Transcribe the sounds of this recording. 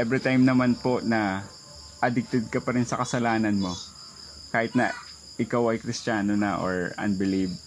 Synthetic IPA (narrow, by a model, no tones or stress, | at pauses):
ʔɛbɾɪt̪ajmnɐmanpo̞ʔnɐ | ʔɐd̪ɪk̚t̪ɛd̪̚kɐpɐɾɪnsɐkɐsɐlaːnɐnmo̞ | kaːhɪt̪̚nɐ̰ | ʔɪkawɐjkɾɪstaːnonɐʔo̰ɹʔɐ̰nbɪlib